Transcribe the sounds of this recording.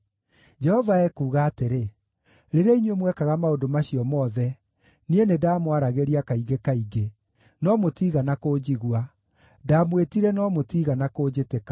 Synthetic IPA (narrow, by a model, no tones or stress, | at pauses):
d͡ʒɛhɔvaɛkuːɣaːteɾe | ɾeɾeaiɲwemwɛkaɣamaodomaɕiɔmɔðɛ | nienedaːmwaɾaɣeɾiakaiɡekaiɡe | nɔmotiːɣanakoːd͡ʑiɣwa | damwetiɾɛnɔmotiɣanakoːd͡ʑetekḁ